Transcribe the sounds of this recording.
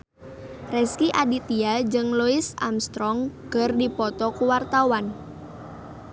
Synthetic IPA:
rɛskiʔadit̪iad͡ʒɨŋluisa̰mst̪ɾɔŋkərdipɔt̪ɔkuwart̪awan

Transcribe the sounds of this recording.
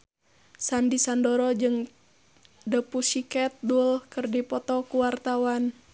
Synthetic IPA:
sandisandɔɾɔd͡ʒɨŋ | dəpusikɛt̪̚dulkɨrdipɔt̪ɔkuwart̪awan

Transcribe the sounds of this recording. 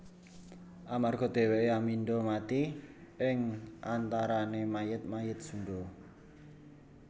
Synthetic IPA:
ʔamarɡ̥ɔ̤d̪̥e̤weʔeamind̪omat̪iɪŋʔant̪aɾanemajət̪̚majət̪̚suɳdo

